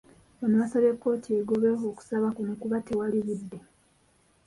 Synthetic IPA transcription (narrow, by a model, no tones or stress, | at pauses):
βanoβasaβekːo̞tieːɡoβeɦoːku̥saβakunukuβate̞waliβidːe̞